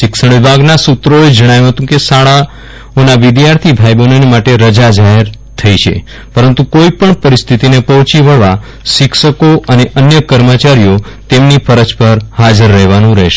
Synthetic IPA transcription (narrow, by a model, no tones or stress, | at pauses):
ʃɪksəɳ̃ʋibʱaɡnasut̪ɾoed͡ʒəɽ̃ajũɦət̪ũkesaɭa | onaʋɪd̪jaɾt̪ʰibʱaibənonemaʈeɾəd͡ʒad͡ʒaɦeɾ | t̪ʰəit͡ʃʰḛ | pəɾənt̪ukoipəɳpəɾist̪ʰit̪inepəɦɔ̃t͡ʃiʋəɭʋa | ʃɪkʃəkoʔəneʔənjəkəɾmət͡ʃaɾijo | t̪emnifʰəɾəd͡ʒpəɾhad͡ʒəɾːəɦʋanũɾəɦʃe